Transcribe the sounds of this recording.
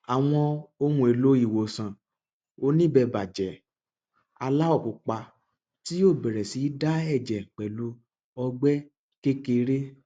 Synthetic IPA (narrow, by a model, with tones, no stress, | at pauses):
a˨w̃ɔ̃˧o˧hũ˧˦e˨lo˦i˦˨wo˨sã˨ | o˧nĩ˦bɛ˧ba˨d͡ʒɛ˨ | a˧la˦ɔ˦˨ku˨k͡pa˧ | ti˦o˦˨bɛ˨ɾɛ˨si˨˦da˦ɛ˦˨d͡ʒɛ˨k͡pɛ˨lo˧˦ | ɔ˧ɡ͡bɛ˦ | ke˦ke˧ɾe˦